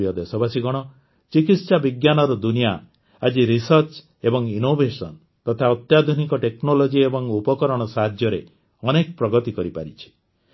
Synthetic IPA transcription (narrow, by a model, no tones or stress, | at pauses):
ijɔd̪esɔbasiɡɔɽ̃ɔ | t͡ʃikit̪sabiɡjanɔɾɔd̪unija | ad͡ʒiɾisɔɾt͡ʃ | ebɔŋinobesɔn | t̪ɔt̪ʰaɔt̪jad̪ʱunikɔʈeknolod͡ʒiebɔŋupɔkɔɾɔɽ̃ɔsaɦad̪ʱjɔɾe | ɔnekɔpɾɔɡɔt̪ikɔɾipa̰ɾit͡ʃʰi̥